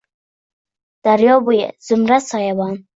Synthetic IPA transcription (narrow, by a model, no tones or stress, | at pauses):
d̪̥aɾjɔːbujḛz̥ʊmɾasɑjabɑːn